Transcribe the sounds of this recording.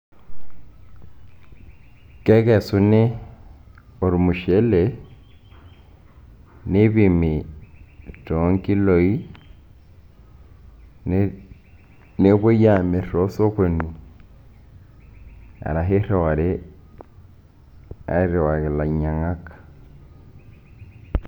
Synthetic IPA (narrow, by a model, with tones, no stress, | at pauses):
ke˦kɛ˨su˦ne˦ | o˨ɾu˨mu˨ʃe˦le | ne˦βi˦mi˨ | to˨˦ŋki˦lo˨i˦ | ne˦βo˦ja˨me˨ɾo˦so˦kwe˨nu˨ | a̰˨ɾa˨ɦe˦ɾe˨wa˨ɾe˦ | a̰˦i˦ɾe˨wa˨ɣe˨la˨ɲa˨ŋa˦kḁ˨